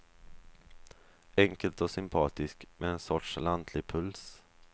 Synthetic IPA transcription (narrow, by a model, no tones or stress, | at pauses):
ɛŋkəlt̪ɔsʏmpʰɑːt̪ɪskmɛɛnsɔʈʂland̪ʰlɪɡpʰɵls